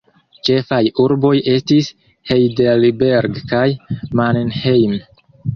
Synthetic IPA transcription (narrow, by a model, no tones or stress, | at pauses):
t͡ʃe̞fajuɾbo̞je̞stis | hejdelibe̞ɾɡkajmannhejm